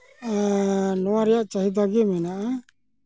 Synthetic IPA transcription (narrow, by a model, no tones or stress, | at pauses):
nɔwaɾɛjaʔt͡ʃaɦid̪aɡɛmɛnaʔa